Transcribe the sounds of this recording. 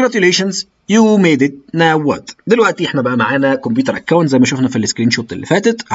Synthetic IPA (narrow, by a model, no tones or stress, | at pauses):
ɾæt̪jʊleːʃanz | juːmeːd̪ɪt̪̚næwːæ̰ːt̪d̪ɪlwæʔt̪iʔeħnæbæʔæmaʕaːnækomp̬juːt̪ɑɾʔækːawnt̪zæjmæʃʊfnæfilskɾiːnʃoːt̪elːifæːt̪æt̪